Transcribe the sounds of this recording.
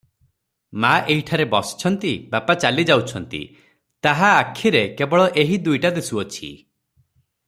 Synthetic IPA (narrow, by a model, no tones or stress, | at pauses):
maʔeɦiʈʰaɾebɔsɔ̥t͡ʃʰɔnt̪ibapat͡ʃalid͡ʒawt͡ʃʰɔnt̪ḭ | t̪aɦaːkʰiɾekebɔɭɔʔeɦid̪ujʈad̪esuɔt͡ʃʰḭ